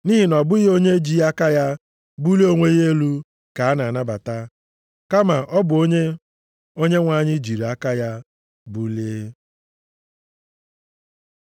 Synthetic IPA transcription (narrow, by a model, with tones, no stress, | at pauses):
ni˦ɦi˨nɔ˨bʊ˦i˦o˦ɲe˦d͡ʒi˦a˦ka˦ja˦ | bu˦le˦o˦ŋʷe˦ɣe˦lu˦ | ka˨a˦na˨na˦ba˨ta˦ | ka˦ma˨ʔɔ˦bʊ˨o˦ɲe˦ | o˦ɲe˦ŋʷa˨ɲɪ˦d͡ʒi˨ɾi˨a˦ka˦ja˦ | bu˦le˦